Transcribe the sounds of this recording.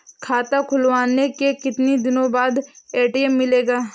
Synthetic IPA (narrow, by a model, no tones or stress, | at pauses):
kʰaːt̪akʰʊlwaːnekekɪt̪nid̪ɪnõbaːd̪eːʈiɛmːɪleːɡaː